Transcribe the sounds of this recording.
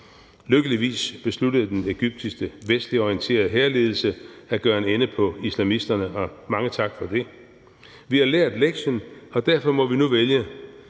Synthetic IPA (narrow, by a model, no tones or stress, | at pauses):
løɡ̥əliʋḭːsb̥e̝slud̥əð̞̩ˠd̥eneɡ̥yb̥̚d̥isɡ̥əʋesd̥liɒiənt͡sʰe̝̰ːɐð̩ˠɦeːɐle̝ːð̞ˠl̩səæɡ̥ɶːɐenenəpʰɒ̽islæmisd̥ɐnəʔɒ̽mɑ̈ŋət͡sʰɑ̈ɡ̥fɒ̽d̥e̝ | ʋihɑ̈leɐ̰d̥leɡ̥ɕənɒ̽d̥æɐfɒ̽mɒ̽ʋinuʋeljə